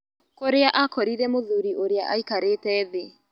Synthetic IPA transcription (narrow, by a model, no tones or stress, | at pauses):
koɾeaʔakɔɾiɾɛmoðuɾiʔoɾeaʔaikaɾetɛːðe